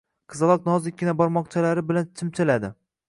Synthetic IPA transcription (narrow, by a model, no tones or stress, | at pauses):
qʰɨzɨlˠɒq̚nɒzɪkʲːɪnabɒɾmɒq̚t͡ʃʰalaɾɪbɪlant̪ʰɪmt̪ʰɪlad̪ɪ